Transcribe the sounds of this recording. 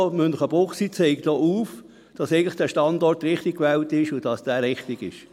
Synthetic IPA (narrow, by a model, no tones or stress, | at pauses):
mʏnləχəb̥ʊχsiːt͡sɛɪkd̥oːʔuːf | d̥ɑsɛɪɡən̩tlɪχd̥æːʃtɑndɔrtɾɪχtik̚kʋɛltɪʃʊd̥ɑsd̥æːɾɪχtɪɡ̥ɪʃ